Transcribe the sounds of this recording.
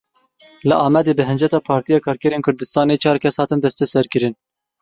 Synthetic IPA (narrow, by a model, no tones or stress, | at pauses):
lɨʔɑːmɛd̪eːbɨɦɨnd͡ʒɛt̪ɑːpʰɑːɾt̪ijɑːkʰɑːɾkɛɾeːnkʰʊɾd̪ɨst̪ɑːneːt͡ʃʰɑːɾkʰɛshɑːt̪ɨnd̪ɛst̪ʰɛsɛɾkɨɾɨn